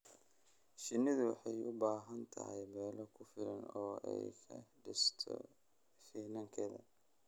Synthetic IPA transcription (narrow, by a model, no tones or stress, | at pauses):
ʃɪnːɪðʊwɑ̰ħɑjʊbaːɦɐnt̪ʰɐ̰hɛjmɛːlɔkʰʊfɪlɐnɔːʔɛ̰jkʰɐ̰ɖɪ̰st̪ʰɔ̰ | fiːnɐŋkʰɛðɐ̰